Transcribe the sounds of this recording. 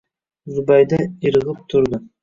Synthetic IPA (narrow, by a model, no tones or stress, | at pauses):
zubɑjd̪ɑiɾʁəp̚t̪ʰʊɾd̪ə